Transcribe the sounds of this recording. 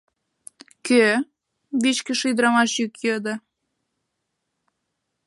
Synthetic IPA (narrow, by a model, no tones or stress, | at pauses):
kø | βit͡ɕkə̆ʃujd̪ɾɑmɑʃjykjɤd̪ə̆